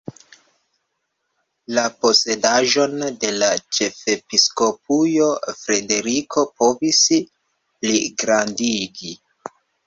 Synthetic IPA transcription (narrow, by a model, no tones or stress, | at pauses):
lapo̞se̞daʒo̞nde̞lat͡ʃe̞fe̞pisko̞p̚ujofɾe̞de̞ɾikʰo̞po̞vis | pliɡɾandiɡi